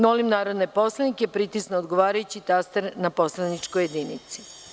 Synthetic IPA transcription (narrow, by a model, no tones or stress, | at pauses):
nolimnaːɾod̪nepo̞slˠanikepɾit̪isnoːd̪ɡoʋaːɾajut͡ɕit̪ast̪eɾnapo̞slˠanit͡ʂkojed̪iːnit̪si̥